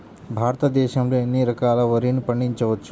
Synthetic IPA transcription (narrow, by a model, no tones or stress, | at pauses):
bʱaːɾt̪ad̪eːʃɐmɾeenːiɾɐkalaʋəɾinpəɳːint͡ʃɐʋət̪ːt͡ʃʰu